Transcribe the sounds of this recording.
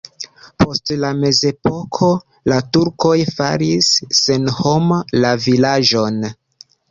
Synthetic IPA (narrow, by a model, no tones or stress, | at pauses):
pʰo̞stlame̞ze̞po̞kʰo̞ | latuɾko̞jfa̰ɾisːenho̞mlavilad͡ʒo̞n